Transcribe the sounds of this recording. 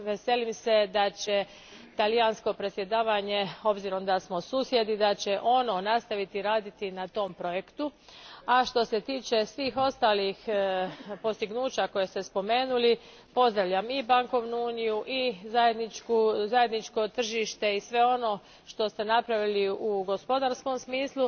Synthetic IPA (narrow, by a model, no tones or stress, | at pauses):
ʋe̞se̞limse̞d̪at͡ɕe̞ | t̪alijansko̞pɾe̞t̪sje̞d̪aːʋaɲe̞o̞bziɾo̞md̪asmo̞suːsje̞d̪id̪at͡ɕe̞ʔo̞no̞nast̪aʋit̪iɾaːd̪it̪inat̪o̞mpɾo̞je̞kt̪uaʃt̪o̞se̞t̪iːt͡ʃe̞sʋiːxo̞st̪alix | po̞st̪iɡnuːt͡ɕako̞je̞st̪e̞spo̞me̞ːnuli | po̞zd̪ɾaʋʎamibaŋko̞ʋnuuːnijuʔizaje̞d̪nit͡ʃkuzajed̪nit͡ʃko̞t̪r̩ʒiʃt̪e̞isʋe̞o̞no̞ | ʃt̪o̞st̪e̞napɾaʋiliuɡo̞spo̞d̪aɾsko̞msmiːslˠu